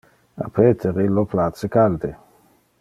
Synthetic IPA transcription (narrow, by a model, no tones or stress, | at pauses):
a̰pʰeːt̪ʰeʁiloplat̪sekald̪e